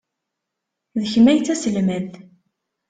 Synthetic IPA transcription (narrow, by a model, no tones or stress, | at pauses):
ðəçmæjt͡sːæsəlmæd̪